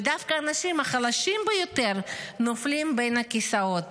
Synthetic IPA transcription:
d̪afkaːnaʃimhaχalaʃimbejo̞te̞ʁnoflimbe̞jnakisao̞t̪

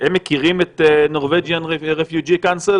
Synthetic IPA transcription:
hemːekiʁimet̪no̞ʁveɡjaneʁefjud͡ʒikansil

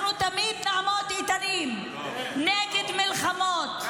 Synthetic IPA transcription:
nut̪amid̪naʕamot̪it̪anim | neɡed̪milχamot̪

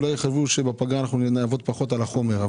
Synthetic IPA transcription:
lajeχaʃvuʃebapaɡaːnaχnunaavo̞t̪̚paχo̞t̪alaχo̞me̞ʁa

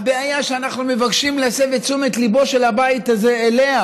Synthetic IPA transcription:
abeajaʃeanaχnume̞vaɡʃimlesevet͡sumet̪libo̞ʃe̞labait̪azeːle̞ha

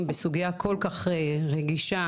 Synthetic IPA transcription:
mbesuɡijako̞lkaχeʁeɡiʃa

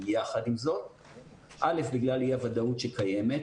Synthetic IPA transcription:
jaχadimzo̞t | ʔale̞fbiɡlalijeavadautʃekaje̞me̞t

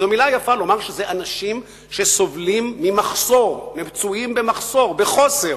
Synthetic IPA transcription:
emilajafalo̞maʁʃezeʔanaʃim | ʃe̞so̞vlimːimaχso̞ʁnevt͡suimbemaχso̞ʁbeχoseʁ

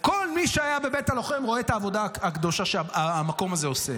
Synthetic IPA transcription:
ko̞lmiʃeajabe̞bet̪alo̞χemʁoet̪aːvo̞daakd̪o̞ʃaʃeaamako̞maze̞ose

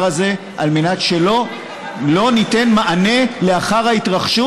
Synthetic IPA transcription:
aze̞ | ʔalmenatʃe̞lo̞ | lo̞nite̞nmaʔane̞le̞aχaʁhait̪ʁaχʃu

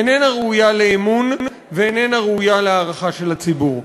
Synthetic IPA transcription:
enenaʁeujaleːmun | veenenaʁeujaleaːʁaχaʃe̞lhat͡sibuʁ

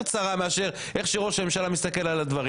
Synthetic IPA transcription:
t͡saʁame̞aʃe̞ʁ | ʔe̞χʃiʁoʃame̞mʃalamist̪ake̞lalad̪vaʁ

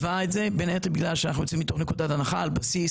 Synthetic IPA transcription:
vaetzebenetabiɡlalʃeanaχnujot͡simit̪o̞χne̞kud̪atanaχalbasis

